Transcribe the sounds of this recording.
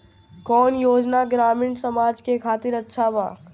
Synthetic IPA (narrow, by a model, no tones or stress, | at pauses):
kɔːnjoːd͡ʒnaɡɾaːmiːɳsəmaːd͡ʒkekʰaːt̪ɪɾətːʃʰabaː